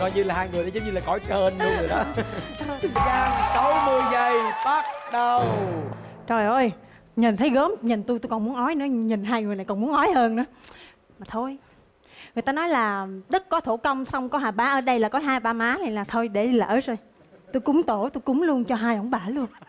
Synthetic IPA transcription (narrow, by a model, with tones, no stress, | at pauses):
kɔ˧jɲɨ˧laː˨˩haː˧jŋɨ˨˩jɗe˨˩zə˨˦ŋ͡mɲɨ˧laː˨˩ɔ̰˧˩jəː˧nzɨ˧˩jzjɗɔ˨˦˨ | kaː˨˧˩sə˨˦wnɨ˧˩əjzə˨˩jɓa˦˥t̚ɗə˨˩ww | zo˨˩jʔo˧j | ɲi˨˩nt̪ʰə˨˦jɣəː˨˦mɲi˨˩nt̪u˧jt̪u˧kɔ˨˩mu˨˦ənʔɔ˨˦jnɨ̰˧˥əɲi˨˩nɦaː˧jŋɨ˨˩jna˨˩jkɔ˨˩nmu˨˦ənʔɔ˨˦jɦəː˧nːɨ̰˧˦ə | maː˨˩t̪ʰo˧j | ŋɨ˨˩ət̪aː˧nɔ˨˦jlaː˨˩ɗə˦˥t̚kɔ˨˦t̪ʰo˧˩kə˧wŋ͡msa˧wŋ͡mkɔ˨˦ɦaː˨˩ɓaː˨˦ʔəː˧˩ɗə˧jlaː˨˩kɔ˨˦ɦaː˧jɓaː˧maː˨˦le˨˩nlaː˨˩t̪ʰo˧jɗe˧˩˧lə̰ː˧˨˩zo˧˩j | t̪u˧jkʊ˨˦ŋ͡mt̪o˧˩t̪u˧jkʊ˨˦ŋ͡mlu˧ənt͡ɕɔ˧ɦaː˧jʔɔ˧˩˦ŋ͡mɓaː˧˩lu˧ən